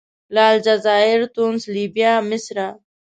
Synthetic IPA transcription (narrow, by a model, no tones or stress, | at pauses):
laːld͡ʑɐzaːiɾt̪unsliːbijaːmɪsɾa